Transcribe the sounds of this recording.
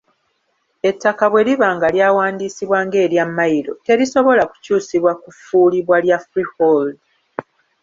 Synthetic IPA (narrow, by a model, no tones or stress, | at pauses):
e̞tːakaβwe̞liβaːŋɡaljaːwaːndisiβwaːŋɡe̞ːɾjamːajiɾo̞̰te̞ɾiso̞βo̞laku̥cuːsiβwakufuːliβwaljafɾihold